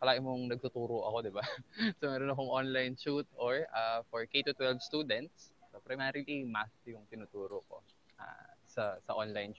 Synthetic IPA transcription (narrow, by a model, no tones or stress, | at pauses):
kɐlaːɡɪnmoŋnɐɡ̚t̪ʊt̪uːɾoʔɐ̰ko̞d̪ɪbasomɛːɾonɐkoŋʔonlajnʃut̪̚ʔoɹʔafoɹkejt̪ut̪wɛlvst̪uːd̪ɛnt̪̚ssopɾɐjmɛɾɪlimast̪jʊŋt̪ɪnut̪uːɾoko̞̰ | ʔa̰sɐsɐʔonlajnʃ